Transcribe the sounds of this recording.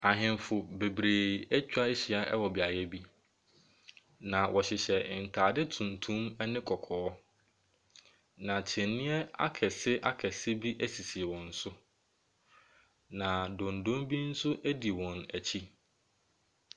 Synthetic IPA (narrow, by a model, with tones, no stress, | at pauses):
a˨ɦɪ̃˨mfʊ˨be˨bɾeː˨ɛ˦t͡ɕᶣa˦e˦ɕi˦a˨ʔɛ˦wɔ˨bi˨a˨jɛ˦bi˦ | nã˨wʔɔ˨ɕɪ˨ɕɛ˨n̩˨tʰaː˨dɪ˦tʰũ˨ntʰũ˦mɛ˦nɪ̃˦kʰɔ˨kʰɔː˨˦ | nã˨t͡ɕʰɪ̃˨nːɪ̃˦ɛ˦a̰˦kʰɛ˨sɪ˦ʔa̰˦kʰɛ˨sɪ˦bi˦ʔæ˦si˨si˨wɔ̃˨n̩˦sʊ˦ | nã˨dõ˨ndõ˦mbi˦n̩˦sʊ˦ʔæ˦di˨wɔ̃˨næ˨t͡ɕʰi˦